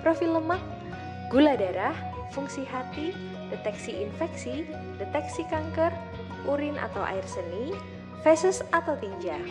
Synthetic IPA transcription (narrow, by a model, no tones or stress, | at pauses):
pɾofiləmak̚ | ɡ̥uladaɾah | fuŋsiɦat̪i | det̪ɛksiʔinfɛksi | det̪ɛksikaŋkər | uɾinʔa̰t̪awʔa̰irsəni | fɛsʊsat̪awt̪iɲd͡ʒa